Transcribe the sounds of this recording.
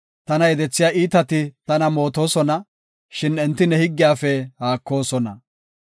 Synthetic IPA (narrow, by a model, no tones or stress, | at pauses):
t̪ɐnɐjɛd̪ɛt͡sːɪjaːʔiːt̪ɐt̪ɪt̪ɐnɐmo̞ːt̪o̞ːsɔnɐ | ʃɪnɛnt̪ːɪnɛhɪɡːɪjaːfɛhaːkːo̞ːsɔnɐ